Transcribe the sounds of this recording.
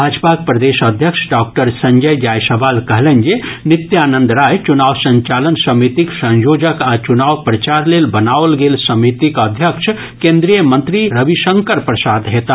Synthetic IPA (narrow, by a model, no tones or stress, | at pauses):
bʱad͡ʒpak̚pɾəd̪esəd̪ʱjəksʰɖak̚ʈəɾsə̃ɲd͡ʒəjd͡ʒajsəbalkəɦlend͡ʒenit̪janənd̪ɾajt͡ʃunawsə̃ɲt͡ʃalənsəmit̪iksə̃ɲjod͡ʒəkat͡ʃunawpɾət͡ʃaɾlelbənaʋlɡelsəmit̪ikəd̪ʱjəkʃʰ | kẽnd̪ɾijəmənt̪ɾiɾəbisəŋkəɾpɾəsad̪ɦet̪a